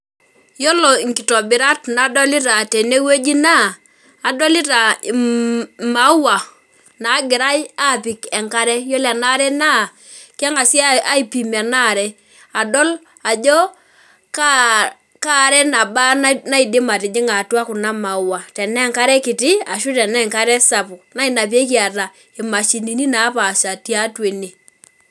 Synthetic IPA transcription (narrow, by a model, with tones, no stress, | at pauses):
jɔ˦lɔ˨ŋki˨tɔ˨bɪ˨ɾa˦tna˨˦dɔ˦li˦ta˨tɛ˨ne˦we˦d͡ʒi˦naː˦˨ | dɔ˦li˦ta˨ | ma˨˦wa˨ | na˨˦ɡɪ˨ɾa˦ja˦˨pi˨kɛ˨ŋka˦ɾɛ˦jɔ˦la˨na˦ɾɛ˦na˦˨ | ka˦ŋa˨si˦a˦a˦i˨pi˨ma˨na˦˨ɾɛ˦ | a˨dɔ˦l | a˨d͡ʒɔ˦ | ka˦ | ka˦˨ɾɛ˦na˨ba˦n˦na˦i˨dɪ˦ma˨tɪ˨d͡ʒɪ˦ŋa˨twa˦kʊ˨na˦ma˨˦wa˨tɛ˨nɛ˦˨ŋka˦ɾɛ˦kɪ˨ti˦a˨ʃu˦tɛ˨nɛ˦˨ŋka˦ɾɛ˦sa˨pʊ˨na˦i˨na˨p̬i˦e˦ki˦a˨ta˨ | ɪ˨ma˨ʃi˨ni˨ni˦na˨˦pa˨ʃa˨ti˦a˦twe˨ne˨